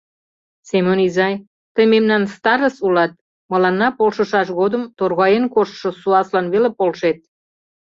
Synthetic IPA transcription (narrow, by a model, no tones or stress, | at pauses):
semonizɑj | t̪əjmemnɑnst̪ɑɾəsulɑt̪̚ | mɤ̆lɑnːɑpolʃə̆ʃɑʃɣod̪əmt̪orɣɑjenkoʃʃŏsuɑslɑnβelepolʃet̪̚